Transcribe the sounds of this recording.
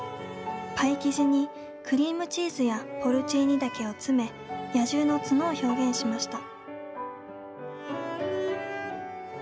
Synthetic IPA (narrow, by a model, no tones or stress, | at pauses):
paikʲiʑiɲ̟i | kɯ̟ɾʲiːmɯ̟t͡ɕiːzɨjaho̞ɾɯ̟t͡ɕiːɲ̟id̪ake̞o̞t͡sɨme̞ | jaʑɨːno̞t͡sɨnoːço̞ːɡẽ̞ɰ̃ɕimaɕi̥t̪a